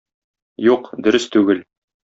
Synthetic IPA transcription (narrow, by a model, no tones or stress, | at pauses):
juqd̪ɵ̆ɾɘst̪ʉɡɘl